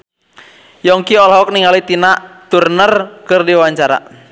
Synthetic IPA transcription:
jɔŋkiɔlɦɔk̚niŋalit̪inaʔt̪urnərkɨrdiwawaɲt͡ʃaɾa̰

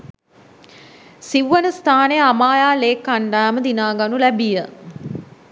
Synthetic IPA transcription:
siʋʋənəst̪ʰaːnejəamaːjaːleːkːaɳɖaːməd̪inaːɡanulæbijə

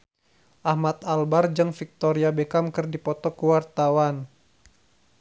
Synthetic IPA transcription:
ʔahmat̪albard͡ʒəŋfik̚t̪oɾiabekamkɨrdipɔt̪ɔkəwart̪awan

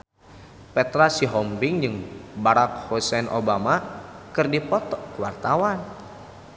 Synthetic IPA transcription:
pɛt̪ɾasiɦɔmbiŋd͡ʒɨŋbaɾak̚hosɛnʔo̰bamakɨrdipɔt̪ɔʔkuwa̰rt̪awan

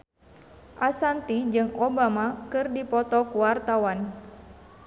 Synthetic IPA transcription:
ʔasant̪id͡ʒɨŋɔbamakɨrdipɔt̪ɔkuwart̪awan

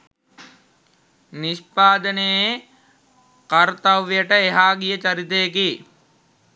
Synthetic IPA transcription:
niʃpaːd̪əneje | kɐɾt̪ɐʋjəʈəeɦaːɡijət͡ʃɐɾit̪ejeki

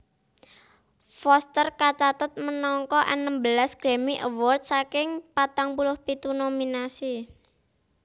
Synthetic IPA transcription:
fɔst̪ərkat͡ʃat̪ət̪̚mənɔŋkɔʔənəmbəlasɡ̥ɾe̤miʔə̰wɔrt̪̚sakɪŋpat̪aŋpulʊhpit̪unominasi

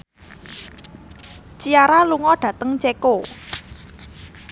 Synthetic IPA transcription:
t͡ʃiaɾaluŋɔɖ̥ä̤t̪əŋt͡ʃeko

